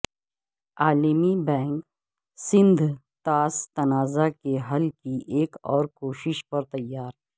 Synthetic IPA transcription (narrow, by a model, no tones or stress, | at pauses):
aːlɪmibɛ̃ːŋk | sɪ̃nd̪ʱ | t̪aːst̪ɐnaːzakeɦɐlkiʔeːkɔ̰ːɾkoːʃɪʃpɐɾt̪ɐjːaːɾ